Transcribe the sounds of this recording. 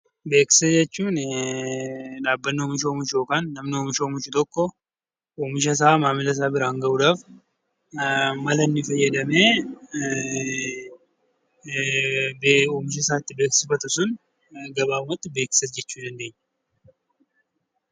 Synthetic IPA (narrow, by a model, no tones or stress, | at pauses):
be̞ːksɛd͡ʒɛt͡ʃːuːn | ᶑaːbːɐnːomɪʃoːmʊʃjoːkaːnːɐmnɪomɪʃomʊʃɪt̪ɔkʼːɔ | ɔmɪʃ̬ɐs̬aːmaːmɪlɐs̬aːbɪɾaːŋɡɐwʊd̪aːf | mɐlɐnːɪfɐjːɐd̪ɐmeː | bɔmɪʃ̬ɐsaːt̪ːɪbeːksɪfɐt̪ʊsʊn | ɡɐbaːmɐt̪ːɪbe̞ːksɛt̪d͡ʒɛt͡ʃːuːd̪ɐnd̪eːɲː